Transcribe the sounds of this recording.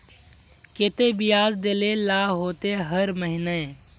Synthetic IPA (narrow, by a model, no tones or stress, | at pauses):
ket̪ebɪjaːzd̪elelaːɦoːt̪eɦəɾməɦɪne